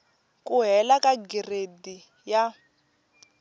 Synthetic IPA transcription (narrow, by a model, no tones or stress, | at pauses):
kuɦɛlakaɡiredi | ja